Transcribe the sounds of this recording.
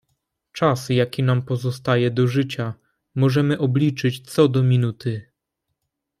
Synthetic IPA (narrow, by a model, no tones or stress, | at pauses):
t͡ʂasjakʲinampɔzɔst̪ajɛd̪ɔʐɘt͡ɕa | mɔʐɛmɘʔɔblʲit͡ʂɘt͡ɕt̪sɔd̪ɔmʲinut̪ɘ